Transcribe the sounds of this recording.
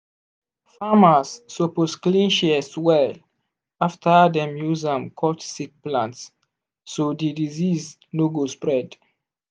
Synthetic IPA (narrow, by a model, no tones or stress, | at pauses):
famasːoposklĩnʃiswɛl | aftʰadɛ̃mjuzãmkʰɔtsik̚plãntsː | odidiziz | noɡospɹɛd